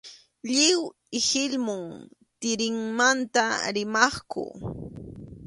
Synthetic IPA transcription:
ʎɪw | ɪhɪlmʊŋt̪ɪɾɪŋmant̪aɾɪmɑχkʊ̰

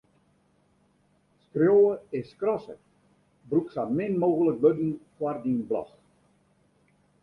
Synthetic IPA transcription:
skrjoːəɪskrɔsə̰k | bruksamɪnmoːɣələkʋødnkwardinblɔ̰x

